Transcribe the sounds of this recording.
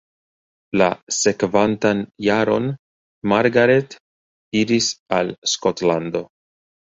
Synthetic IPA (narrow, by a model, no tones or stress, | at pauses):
la̰se̞kvantanjaɾo̞n | maɾɡaɾe̞t | iɾisalskotlando̞